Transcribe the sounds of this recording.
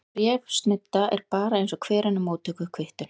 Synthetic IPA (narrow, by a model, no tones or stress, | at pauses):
ɾjɛvst̪nɪt̪ːaʔɛɾpaːɾaejnsɔkʰvɛːɾanːʏmoːt̪ʰœkʏkʰvɪht̪ʏn